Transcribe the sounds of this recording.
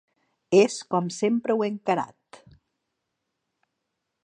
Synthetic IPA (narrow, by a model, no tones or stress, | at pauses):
eskɔmsempɾəweŋkaɾa̰t̪